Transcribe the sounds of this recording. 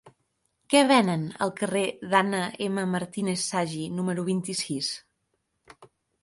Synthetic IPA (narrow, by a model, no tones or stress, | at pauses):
kɛβ̞ɛnənə̰lˠkəreðanəeməməɾt̪inesːaʒinuməɾuβ̞int̪isis